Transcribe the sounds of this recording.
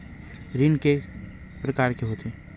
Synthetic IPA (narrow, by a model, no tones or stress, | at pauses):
ɾinke | pɾɐkaːɾkeɦoːt̪e